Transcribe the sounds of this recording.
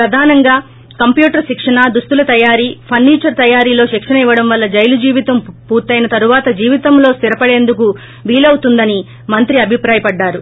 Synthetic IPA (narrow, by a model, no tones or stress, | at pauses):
pɾɐd̪ʱaːnɐŋɡaː | kɐmpjuːʈɐɾʃikʂɐɳad̪ust̪ulɐt̪ɐjaːɾiːpʰɐnːiːt͡ʃɐɾt̪ɐjaːɾiːlo̞ːʃikʂɐnɐiʋːɐɽɐmʋɐlːɐd͡ʒɐjlud͡ʒiːʋit̪ɐmpuːɾt̪ːɐjnɐt̪ɐɾuʋaːt̪ɐd͡ʒiːʋit̪ɐmlo̞ːst̪iɾɐpɐɽe̞ːnd̪uku | ʋiːlɐwut̪und̪ɐni | mɐnt̪ɾiɐbʱipɾaːjɐpɐɖːaːɾu